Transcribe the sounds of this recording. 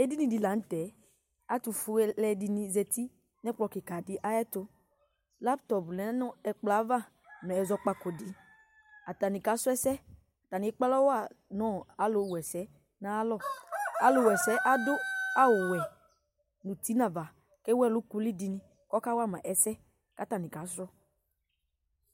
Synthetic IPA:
ɛ˦di˦nĩ˨di˨la˨n̩˦tɛ˨ | a˦tu˨fu˦ɛ˦lɛ˨di˧nĩ˧zɛ˧ti˦ | nɛ˦k͡pɔ˧˨ki˨ka˨dɪ˦ʔa˦jɛ˦tʊ˧ | la˦ptɔ˨plɛ˨˦nʊ˦ɛ˨k͡pla˨˦va˦˨ | mɛ˨ɛ˨zɔ˧k͡pa˨ko˨di˨ | a˨ta˨ni˨ka˨˦sʊ˦ɛ˦sɛ˦˨ | ta˨nĩ˨ɛ˦k͡pa˦lɔ˦wa˦˨nɔ˦˨a˨˦lo˨˦˨wɛ˨sɛ˨˦ | na˦lɔ˦˨a˨˦lʊ˨wɛ˨sɛ˨˦ʔa˦dʊ˦a˦wʊ˨wɛ˨ | nu˨ti˨˦nã˨va˨ | ke˦wɛ˦˨lʊ˨˦ku˧li˦di˧nĩ˦ | kɔ˦ka˦wa˦˨mã˨ʔɛ˨sɛ˦ | ka˨˦ta˨nĩ˨ka˨˦sɾɔ˦

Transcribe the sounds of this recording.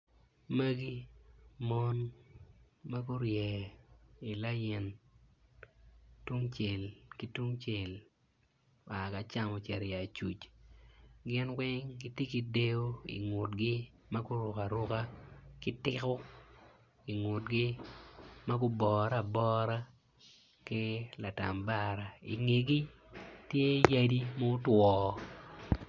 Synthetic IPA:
mə˦ɡi˦mɔ˦n | ma˦ɡʊ˦ɾjɛ˨ | i˨la˦jɛ˨n | tu˦ŋt͡ʃe˨lki˦tu˦ŋt͡ʃe˨l | a˨ka˨t͡ʃa˦mɔ˨t͡ʃɛ˨ɾja˨t͡ʃu˨t͡ʃ | ɡɪ˦nwɪ˦ŋɡɪ˦tje˦ki˨˦de˦o˦ḭ˨ŋʊ˨tɡɪ˦ | ma˦ɡʊ˦ɾʊ˨ka˨ɾʊ˦ka˦kɪ˦tɪ˦kɔ˦ | i˨ŋʊ˨tɡɪ˦ | ma˦ɡʊ˦bɔ˨ɾa˨bɔ˦ɾa˦ | kɪ˦la˨ta˨mba˦ɾa˨ḭ˨ŋe˨ɡi˦ | tje˦ja˦di˦mo˦twɔː˨

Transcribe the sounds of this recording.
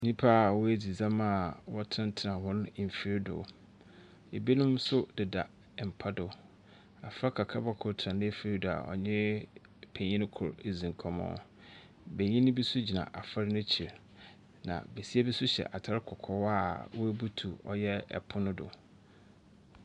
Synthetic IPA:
nĩ˦pʰa˦˨wʊ˦æ˦d͡zi˨zã˦ma˦˨wɔ˦tʰɪ̃˦n˦tʰɪ˨nã˨hʊ̃˦nʊ̃˦˨m̩˨fi˦ɾdʊ̰˨ | e˨bi˦nʊ̃˦m˦sʊ˦dɪ˨da˨ | m̩˨pʰa˦dʊ˨ | a˨fɾa˦kʰa˨kʰa˦ba˦kʰʊ˨tʰã˨nɪ̃˦˨fi˦ɾi˦dʊ˨a̰˨ʔɔ̰˨ɲɪ̃˦ | pʰẽ˨ɲĩ˦kʰʊ˨ɾe˨zĩ˨ŋ˨kʰɔ˨mɔ̰̃˨˦ | be˨ɲĩ˦nʊ̃˦bi˦sʊ˦d͡ʑi˨nã̰˨ʔa˨fa˦ɾnʊ̃˦t͡ɕʰi˨ɾ | nã̰˨be˨si˦a˦bi˦sʊ˦ɕɛ̰˨ʔa˨tʰa˦ɾɪ˦kʰɔ˨kʰɔ˨wa˦˨wɔ˦æ˦bu˦tʰu˨ɔ̰˦jɛ˦ɛ̰˨pʰʊ˦nʊ̃˦dʊ̰˨

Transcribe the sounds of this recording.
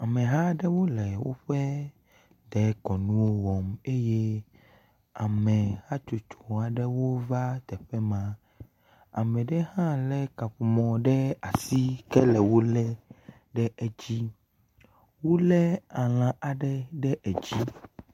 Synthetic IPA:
a˨mɛ̃˨ɦa˦ɖɛ˦wo˦lɛ˨wo̰˦ɸɛ˦ | d̪ɛ˨˦kɔ˨nũ˦wo˦wɔ˨me˦je˦ | a˨mɛ̃˨ha˦t͡ʃo˨t͡ʃo˨a˨ɖɛ˦wo˦va˦t̪ɛ˨ɸɛ˦mã˦ | a̰˨mɛ̃˨ɖɛ˦hã˦lɛ˦ka˨ɸu˨mɔ̃˨ɖɛ˦a˨si˦kɛ˦lɛ˨wo˦lɛ˦ | ɖɛ˦ɛ˨d͡ʑi˦ | wo˦lɛ˦a˨l̃ã˨a˨ɖɛ˦ɖɛ˦ʔɛ˨d͡ʑi˦

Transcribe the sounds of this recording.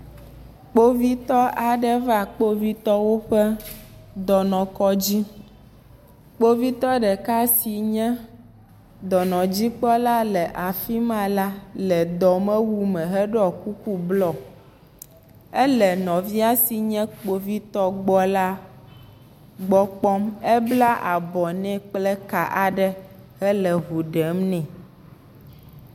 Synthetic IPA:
k͡po˦vi˦t̪ɔ˦ʔa˨ɖɛ˦va˦˨k͡po˦vi˦t̪ɔ˦wo˦ɸɛ˦d̪ɔ˨nɔ̃˨kɔ˦d͡ʑi˦ | k͡po˦vi˦t̪ɔ˦ɖɛ˨ka˦si˨ɲɛ̃˦ | d̪ɔ˨nɔ̃˨d͡ʑi˦k͡pɔ˦la˦lɛ˨ʔa˨fi˦mã˦la˦lɛ˨d̪ɔ˨mɛ̃˦wu˦mɛ̃˨ɦɛ˦ɖɔ˨ku˦ku˦blɔ˦˨ | ɛ˦lɛ˨nɔ̃˨vi˦a˦si˨ɲɛ̃˦k͡po˦vi˦t̪ɔ˦ɡ͡bɔ˦la˦ | ɡ͡bɔ˦k͡pɔ˦mɛ˦bla˦ʔa˨bɔ˨nɛ̃˦k͡plɛ˦ka˨ʔa˨ɖɛ˦ | ɦɛ˦lɛ˨ɦu˨ɖɛ˨˦mnɛ̃˨

